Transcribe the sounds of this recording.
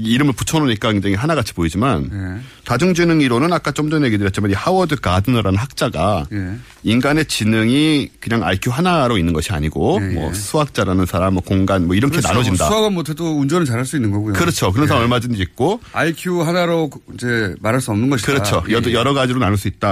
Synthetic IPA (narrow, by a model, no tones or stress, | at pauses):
iɾɯmɯɭput͡ɕʰʌnoɲik͈akɯŋd͡ʑaŋiɦanaɡat͡ɕʰi̥poid͡ʑiman | tad͡ʑuŋd͡ʑinɯŋiɾonɯnak͈at͡ɕ͈omdʌnje̞ɡidɯɾjʌtt͡ɕimanihawʌdɯkadɯnʌɾanɯnɦak̚t͡ɕ͈aɡaje | inɡane̞t͡ɕinɯŋikɯɲaŋa̰ikʰjuɦanaɾoinːɯnɡʌɕʰia̰ɲiɡomʌ̰sʰuɦak̚t͡ɕ͈aɾanɯnsʰaɾamʌkoŋɡanmwʌiɾʌŋʰena̰nod͡ʑinda̰aɡamotʰetound͡ʑʌnɯɭt͡ɕaɾɦaɭs͈uinːɯnɡʌɡujokɯɾʌt͡ɕʰokɯɾʌnsʰaɾamʌɭmad͡ʑindeik̚k͈oaikʰjuɦanaɾoind͡ʑemaɾɦaɭs͈uʌmnɯnɡʌɕʰikɯɾʌt͡ɕʰoʌdjʌɾʌɡad͡ʑiɾonanɯɭs͈uit̚t͈a